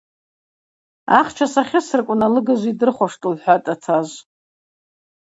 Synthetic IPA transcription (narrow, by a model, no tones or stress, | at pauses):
aχt͡ʃʰasaχʲɪsɨrkʷʼnalɨɡazʷidɨrχʷaʂtʼulħʷᶣatʼatʰazʷ